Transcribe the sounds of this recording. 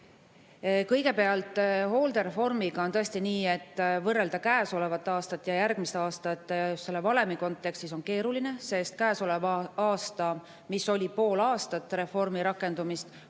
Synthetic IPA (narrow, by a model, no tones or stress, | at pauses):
kɤjɡe̞pe̞ɑlt̪ˑho̞ːld̪e̞ɾe̞fo̞rmiɡ̥ɑo̞nt̪ɤe̞st̪iniːe̞t̪ːˑvɤrːe̞ld̪ɑkæːso̞le̞vɑt̪ːˑɑːst̪ɑt̪ːjɑjæɾɡ̥̚mist̪ɑːst̪ɑt̪ːesse̞lːevɑle̞miko̞nt̪ːˑe̞kst̪iso̞nke̞ːɾuline̞se̞st̪̚kæːso̞le̞vɑːst̪ɑ | miso̞lʲipo̞ːlɑːst̪ɑt̪ːɾe̞fo̞rmiɾɑkːˑe̞nd̪umist̪